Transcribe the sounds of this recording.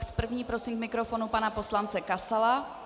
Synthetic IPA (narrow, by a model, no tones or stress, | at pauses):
spr̩vɲiːpɾo̞simkmɪkɾo̞fo̞nupanapo̞slant͡sɛkasala